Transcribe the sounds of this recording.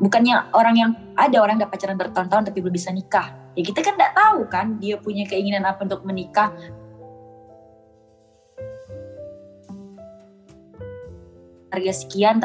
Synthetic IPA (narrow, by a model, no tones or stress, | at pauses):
bukanɲaoɾaŋjaŋ | ʔadaoɾaŋdaʔpat͡ʃaɾanbərt̪ɔnt̪ant̪apibəlʊbisanikahjakit̪akandaʔt̪aukandiapuɲakəiŋinanapaunt̪ʊk̚mənikah | harɡasə̥kian